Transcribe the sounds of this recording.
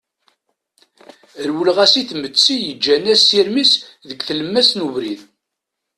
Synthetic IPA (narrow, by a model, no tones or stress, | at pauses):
əɾwəlʁæsiθmət͡sːijəd͡ʒːænæsiɾmisðəɡθələmːæsnuvɾið